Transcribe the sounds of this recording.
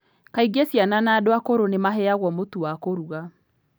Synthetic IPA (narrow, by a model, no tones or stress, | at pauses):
kaiɡesjananadoakoɾonemaɦɛaɣwɔmotuwakoɾuɣa